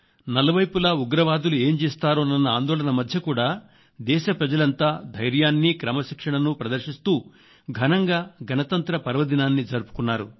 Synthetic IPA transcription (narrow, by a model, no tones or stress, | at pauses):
nɐlɐʋɐjpulɐːuɡɾɐʋaːd̪ulue̞ːmt͡ʃeːst̪aːɾoːnɐnːɐaːnd̪ɔːlɐnɐmɐd̪ʱjɐkuːɽaː | d̪ɛːʃɐpɾɐd͡ʒɐlɐnt̪aːd̪ʱɐjɾjaːnːikɾɐmɐʃikʂɐɳɐnupɾɐd̪ɐɾʃist̪uː | ɡʱɐnɐŋɡaːɡʱɐnɐt̪ɐnt̪ɾɐpɐɾʋɐd̪inaːnːid͡ʒɐɾupu̥kunːaːɾu